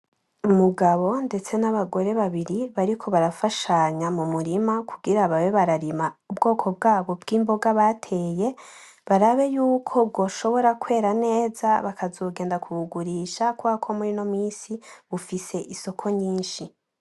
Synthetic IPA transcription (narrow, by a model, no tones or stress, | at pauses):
umuɡaβo̞nde̞t͡se̞naβaɡo̞ɾe̞βaβiɾiβaɾikʰo̞βaɾafaʃaɲamumuɾimakʰuɡiɾaβawe̞βaɾaɾimaubɡo̞ːkʰo̞b̚ɡaːβo̞bɡiːmbo̞ɡaβatʰe̞ːje̞ | βaɾaβe̞juːkʰo̞b̚ɡo̞ʃo̞βo̞ɾakwe̞ːɾane̞ːzaβakʰazoːɡe̞ːndakʰuβuɡuɾiːʃakuβakʰo̞muɾino̞miːsiβufise̞ʔiso̞kʰo̞ɲiːnʃi